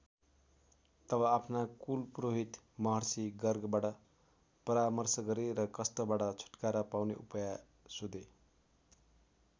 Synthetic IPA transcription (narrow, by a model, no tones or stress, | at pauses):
t̪ʌβʌapʰnakulproɦit̪mʌɦʌrsiɡʌrɡbaʈʌ | pʌɾamʌrsʌɡʌɾeɾʌkʌst̪ʌbaʈʌt͡sʰu̥ʈkaɾʌpawneʔupʌja | sod̪e